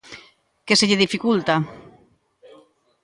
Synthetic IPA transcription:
keseʎeðifikult̪a

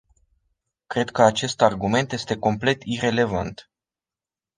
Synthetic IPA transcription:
kɾe̞d̪kəat͡ʃe̞st̪arɡume̞nt̪je̞st̪e̞ko̞mple̞t̪ire̞le̞va̰nt̪

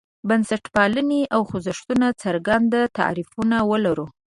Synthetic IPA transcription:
bansaʈpɑləneʔawxuzəʂt̪unat͡saɾɡand̪at̪a̰ɾifunawəlaɾu

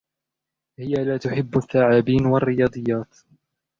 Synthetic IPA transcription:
hɪjalaːt̪ʊħɪbːaθːaːʕaːbiːnwarːɪjɑːd̪ˤɨjːaːt̪

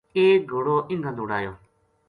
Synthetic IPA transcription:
eːɡʱoɽoːʔɪŋɡʱãnoːɽaːjoː

